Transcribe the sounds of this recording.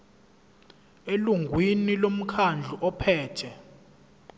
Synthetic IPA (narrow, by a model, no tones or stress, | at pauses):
eluŋɡʱwinilom̩kʰand͡ɮʱuʔɔpʰɛːtʰɛ